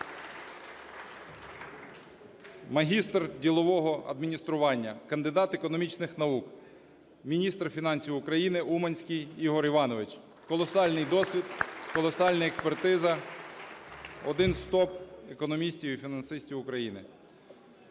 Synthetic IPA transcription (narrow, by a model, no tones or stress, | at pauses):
mɐɦʲist̪rdʲilˠɔʋɔɦɔɐ̰d̪mʲinʲist̪ɾʊʋɑnʲːɐkɐnd̪ɪd̪ɑt̪ekɔnɔmʲit͡ʃnɪxnɐuk | mʲinʲist̪rfʲinɑnʲsʲiwʊkɾɐjinɪʔumɐnʲsʲkʲɪjiɦɔɾiʋɑnɔʋɪt͡ʃ | kɔlˠɔsɑlʲnɪjd̪ɔsʲʋʲid̪kɔlˠɔsɑlʲnɐɛkspert̪ɪzɐ | ɔ̰d̪ɪnst̪ɔpekɔnɔmʲisʲtʲiwifʲinɐnsɪsʲtʲiwʊkɾɐjinɪ